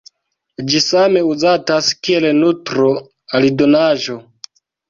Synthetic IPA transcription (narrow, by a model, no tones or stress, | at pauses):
d͡ʒisame̞uzataskielnutɾo | alido̞naʒo̞